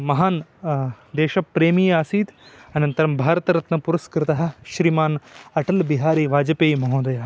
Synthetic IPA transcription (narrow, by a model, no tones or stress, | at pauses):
mɐɦaːn | d̪eːʃɐpːɾeːmiːaːsiːt̪ɐnɐnt̪ɐɾɐmbʱaːɾt̪ɾɐt̪nɐpuɾʊskɾɪt̪ɐɦɐʃɾiːmaːnɐʈɐlbiɦaːɾiːʋaːd͡ʒɐpeːjmɐɦõːd̪ɐjaː